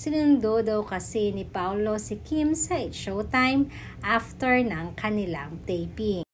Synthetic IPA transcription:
sɪnʊnd̪od̪awkɐsinɪpawlo̞sɪkimsɐɪt̪ʃowt̪ajm | ʔaft̪ɛɹnɐŋkʰɐnɪla̰ŋt̪ɛjpi

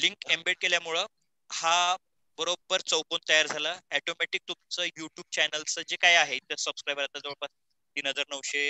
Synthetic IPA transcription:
liŋkembeɽ̚keljamuɭə | ha | bəɾobːəɾt͡səwpont̪əjaɾd͡zʱalaɛʈomɛʈik̚t̪umt͡səjuʈjuːb̚t͡ɕɛnəlt͡səd͡ʑekajaɦeit̪əsəbskɾajbəɾat̪əd͡zəʋəɭpas | t̪iːnɦəd͡zaɾnəʋɕe

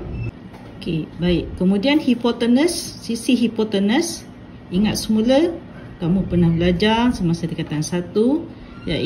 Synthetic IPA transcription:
okebaiʔkəmudianhipɔt̪ənəsːisiɦipɔt̪ənəs | iŋat̪̚səmulə | t̪amupərnahbəlad͡ʒarsəmasadəkat̪ansat̪u | ja̰ʔ

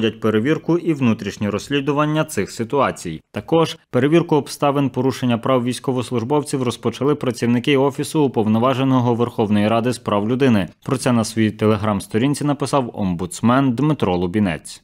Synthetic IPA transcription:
dʲɐt̚ʲpeɾeʋʲirkʊʔiʋnut̪ɾʲiʃnʲiɾɔsʲlʲid̪ʊʋɐnʲːɐt̪sɪxsɪt̪ʊɑt͡sʲijt̪ɐkɔʒpeɾe̞ʋʲirkʊɔpst̪ɑʋenpɔɾuʃenʲːɐpɾɑwʋʲijsʲkɔʋɔslˠʊʒbɔwt͡sʲiwrɔspɔt͡ʃɐlˠɪpɾɐt͡sʲiwnɪkɪɔfʲisʊːpɔwnɔʋɑʒenɔɦɔʋerxɔwnɔjiɾɑd̪ɪspɾɑwlʲʊd̪ɪnɪpɾɔt̪sɛnɐsʋɔjit̪elˠeɦɾɑmst̪ɔɾʲinʲt͡sʲinɐpɪsɑwɔ̰mbʊt̪smɛnd̪mɪt̪ɾɔlˠɔbʲinɛ̰t͡sʲ

